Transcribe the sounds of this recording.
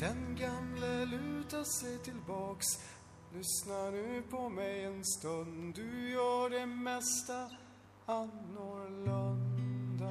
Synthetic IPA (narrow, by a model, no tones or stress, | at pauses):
d̪̥ɛnɡamləlʉ̟ːt̪aʂɛjt̪ʰɪlbɑːks | lʏsnaɖʉpʰɔmɛjɛnst̪ɵnd̪d̪ɵjœːɖɛmɛst̪a | anːoːɾlœnd̪a